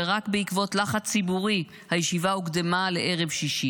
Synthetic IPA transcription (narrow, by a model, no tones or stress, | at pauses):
ʁakbeikvo̞tlaχat͡sibuʁi | hajeʃivaukd̪emale̞ʔe̞ʁe̞vʃiʃi